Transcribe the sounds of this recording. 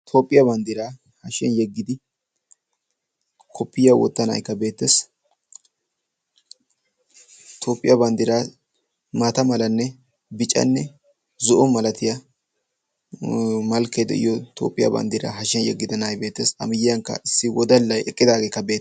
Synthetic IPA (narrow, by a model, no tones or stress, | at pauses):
t̪ʰoːpʼːɪjɐbɐnd̪ɪɾaː | hɐʃɛnjɛɡːɪd̪ɪ | kʰɔpːɪjɐwɔ̰t̪ːɐnɐ̰jkːɐbe̞ːt̪ːeːs | t̪ʰo̞ːpʼːɪjɐbɐnd̪ɪɾaː | maːt̪ɐmɐlɐnːɛ | bɪt͡ʃʼɐ̰nːɛ | zɔʔɔmɐlɐt̪ɪjɐ | mɐlkːed̪ɛ̰ʔɪ̰jɔt̪ʰo̰ːpʼːɪjɐ̰bɐ̰nd̪ɪɾɐ̰ɦɐʃɛnjɛ̰ɡːɪd̪ɐnajbe̞ːt̪ːeːsɐ̰mɪjɪjɐŋkːɐ̰ɪsːɪwɔd̪ɐlːɐjɛkʼːɪd̪aːɡeːkːɐbe̞ː